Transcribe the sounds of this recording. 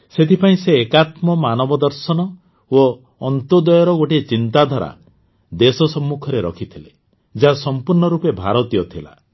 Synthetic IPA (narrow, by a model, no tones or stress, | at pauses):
set̪ʰipaĩseːkat̪mɔmanɔbɔd̪ɔɾsɔnɔ | o | ɔnt̪od̪ɔjɔɾɔɡoʈit͡ʃint̪ad̪ʱaɾa̰ | d̪esɔsɔmːukʰɔɾeɾɔkʰit̪ʰile | d͡ʒasɔmpuɾɳɔɾupebʱa̰ɾɔt̪ijɔt̪ʰila̰